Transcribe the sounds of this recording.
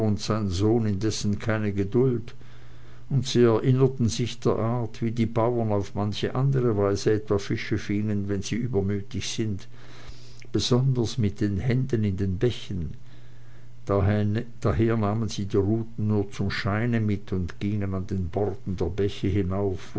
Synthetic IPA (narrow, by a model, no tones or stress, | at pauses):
ʊntz̥aɪnzoːnɪndɛsn̩kʰaɪnəɡədʊld | ʊntz̥iːɛɐʔɪnɐtn̩zɪçd̥eːɐʔaɐtv̥iːdiːbaʊɐnaʊfmançəʔandəʁəvaɪzəɛtv̥aːfɪʃəfɪŋənvɛnz̥iːʔyːbɐmyːtɪçz̥ɪnt | b̥əz̥ɔndɐsmɪt̚d̥eːnhɛndənɪndeːnbɛçən | d̥aɦeːɐnaːmənz̥iːdiːʁuːtn̩nuːɐt͡sʊmʃaɪnəmɪtʰʊntɡ̥ɪŋənandeːnbɔʁtn̩deːɐbɛçəhɪnaʊf